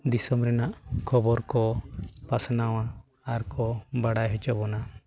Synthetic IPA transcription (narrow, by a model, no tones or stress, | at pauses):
d̪isɔmɾɛnaʔkʰɔbɔɾkɔpasnawaː | ɾkɔbaɽajɦɔt͡ʃɔbɔna